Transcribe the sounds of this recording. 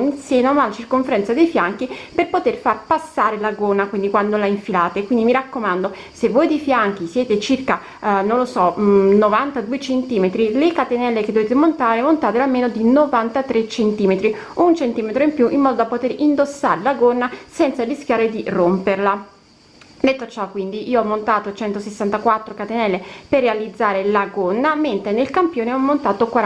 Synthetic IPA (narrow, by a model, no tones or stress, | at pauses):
ninsjeːnamalat͡ʃirkoɱfeɾɛnt̪sad̪ejfjaŋk̟iperpot̪erfarpasːaːɾelaɡonakwind̪ikwand̪olaiɱfilaːt̪ekwind̪imiɾakːomand̪o | sevːojd̪efjaŋk̟isjɛːt̪et͡ʃirka | nonlosɔnovant̪ad̪uet͡ʃent̪iːmet̪ɾilekat̪enɛlːeked̪oveːt̪emont̪aːɾemont̪aːt̪ealmeːnod̪inovant̪at̪ɾet͡ʃːent̪iːmet̪ɾi | unt͡ʃent̪iːmet̪ɾoimpjuʔimːɔːd̪od̪apot̪eɾind̪osːa̰ːɾelaɡonːasɛnt̪sarisk̟ʲjaːɾed̪iromperla | d̪et̪ːot͡ʃakːwind̪iʔiːoɔmːont̪aːt̪ot͡ʃɛnt̪osesːant̪akwat̪ːɾokat̪enɛlːeperːealid̪zːaːɾelaɡonːament̪ɾenelkampjoːneɔmːont̪aːt̪okwa